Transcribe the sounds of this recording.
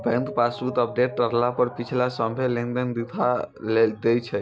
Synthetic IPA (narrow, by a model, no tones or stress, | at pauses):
bɛ̃ŋk̪pasput̪əp̚ɖeʈːəɾlapəɾpit͡ʃʰlasəmbʱelĩŋɖ̪ənd̪it̪ʰaled̪et͡ʃʰɛ